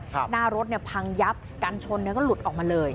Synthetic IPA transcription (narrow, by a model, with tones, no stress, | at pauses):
naː˥˩ɾo˦˥t̪̚ni˥˩ɐpʰa˧ŋja˦˥p̚kaː˧nt͡ɕʰo˧nːi˥˩ɐkɔː˥˩lu˨˩t̪̚ʔɔː˨˩k̚maː˧lɤː˧j